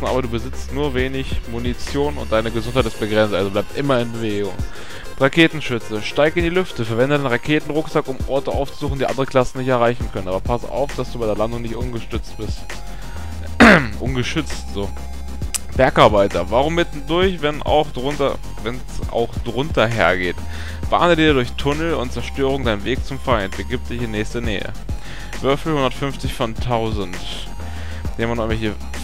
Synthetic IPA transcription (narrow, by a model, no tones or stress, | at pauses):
n̩ʔaːbɐduːbəzɪt͡stnuːɐveːnɪçmunit͡sjoːnʊ̰ntd̥aɪnəɡəzʊnthaɪtɪstb̥əɡʁɛnsʔa̰lzoblaɪp̚tʔɪmɐɪnbəveːɡʊ̰ŋ | ʁakʰeːtn̩ʃʏt͡səʃtaɪkɪndiːlʏftəfɛɐvɛndədaenʁakʰeːtn̩ʁʊkz̥akʊmʔɔɐtəʔa̰ʊft͡su̥zuːxn̩diːʔa̰ndəʁəkʰl̥asn̩nɪçtɛɐʁ̞aɪçn̩kʰœnənaːbɐpʰasa̰ʊfd̥asd̥uːbaɪdeːɐlandʊŋnɪçtʔʊnɡəʃtʏt͡st̚b̥ɪst | ʔʊ̰nɡəʃʏt͡stz̥oː | b̥ɛɐkʔaɐbaɪtɐvaːʁ̞ʊmːɪtndʊɐçvɛna̰ʊxd̥ʁʊntɐ̰ | vɛnsʔa̰ʊxd̥ʁʊntʰɐɦḛːɐɡeːt | b̥a̰ːnədiːɐɾʊɐçtʰʊnl̩ʊ̰ntt͡sɛɐʃtøːʁ̞ʊŋdaɪnənveːk̚t͡sʊmfaɪntb̥əɡiːp̚td̥ɪçɪnːɛːçstɐnɛ̰ːə̰ | vʏɐfl̩hʊndɐtfʏnft͡sɪçfɔntʰːaʊzn̩t | d̥eːmanɔnvɛçə